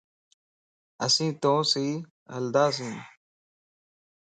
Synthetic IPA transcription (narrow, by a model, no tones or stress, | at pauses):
ɐ̰sĩːt̪õːsiː | ɐ̰ld̪aːs̬ĩːn